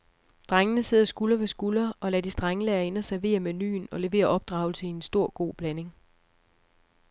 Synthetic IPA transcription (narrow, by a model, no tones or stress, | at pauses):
d̥ʁaŋənəse̝ð̞̰ˠɐsɡ̥ulɐʋe̝sɡ̥ulɐɒ̽læd̥isd̥ʁaŋəlɛːɐe̝nɐsæɐʋe̝̰ːɐmeny̰ːnɒ̽le̝ʋe̝̰ːɐʔɒ̽b̥̚d̥ʁɑ̈ʊl̩səiensd̥o̝ɐ̰ɡ̥o̝̰ːb̥læne̝ŋ